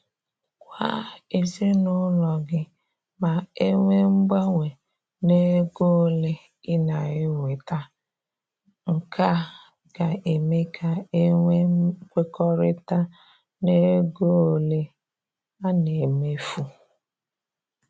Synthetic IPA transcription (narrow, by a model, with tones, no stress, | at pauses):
kʷa̰˦e˨zi˦nʊ˦lɔ˨ɡɪ˦ | ma˨e˦ŋʷe˦ŋ͡m̩˦ɡ͡ba˦ŋʷe˨ | ne˦ɡo˦˨le˦ | ɪ˦na˨ɣɪ˦we˨ta˦ | ŋ̩˨ka˦ | ɡa˨e˨me˦kʰa˨e˦ŋʷe˦kʷe˦kɔ˦ɾɪ˦ta˦ | ne˦ɡo˦˨le˦ | a˦ne˨me˦fu˦